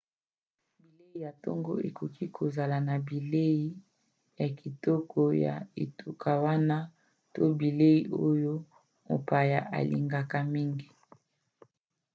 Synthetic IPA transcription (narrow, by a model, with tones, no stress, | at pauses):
bi˨le˦i˦˨ja˨tɔ̰˦ŋɡo˦e˨kʰo˨kʰi˦kʰo˨za˨la˨na˨bi˨le˦ji˦ | ja˨kʰi˨tɔ˦kʰɔ˦ja̰˨ḛ˨tʰu˨kʰa˨wa˦na˦ | to˦bi˨le˦i˦ʔo˦jo˦ | mo̰˨pa˨ja˨ʔa̰˨lḭ˨ŋɡa˨ka˨mi˦ŋɡi˨